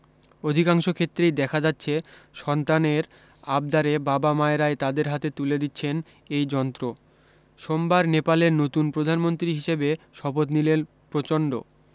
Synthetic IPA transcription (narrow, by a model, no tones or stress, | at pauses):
od̪ʱikaŋʃokʰet̪ːɾejd̪ɛkʰad͡ʑatːɕʰeʃɔnt̪aneɾ | ab̚d̪aɾebabamaeɾaet̪ad̪eɾɦat̪et̪uled̪itːɕʰen | ejd͡ʑɔnt̪ɾo | ʃombaɾnepaleɾnot̪unpɾod̪ʱanmont̪ɾiɦiʃebeʃɔbot̪nilen | pɾot͡ɕoɳɖo̰